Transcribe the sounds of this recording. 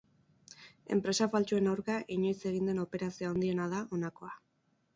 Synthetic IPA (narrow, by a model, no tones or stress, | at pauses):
e̞̰mpɾe̞safalt͡ʃoe̞nawɾkaʔiɲo̞jt͡se̞ɣind̪e̞no̞pe̞ɾasioaond̪ie̞nað̞aʔo̞nako̞a